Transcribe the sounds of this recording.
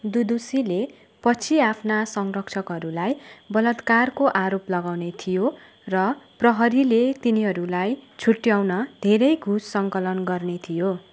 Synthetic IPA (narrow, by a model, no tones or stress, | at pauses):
d̪ud̪usile | pʌt͡sʰiapʰnasʌŋrʌkt͡sʰʌkɦʌɾulajbʌlʌt̪karkoʔaɾoplʌɡawnet̪ʰijo | rʌprʌɦʌɾilet̪iniɦʌɾulajt͡sʰuʈːjawnʌd̪ʱeɾʌjɡʱusːʌŋkʌlʌnɡʌrnet̪ʰijo